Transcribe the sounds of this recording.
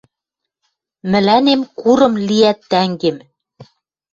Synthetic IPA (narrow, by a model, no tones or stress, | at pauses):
mɘ̆lænemkuɾɤ̆mliæt̪ːæŋɡem